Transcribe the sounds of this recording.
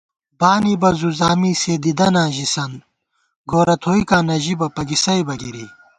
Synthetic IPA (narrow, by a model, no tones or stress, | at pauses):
baːnibɐzuzaːmiːseːd̪id̪ɐnãːʑisɐn | ɡoːɾɐt̪ʰoːikaːnɐʑibɐpɐɡisɐjbɐɡiɾi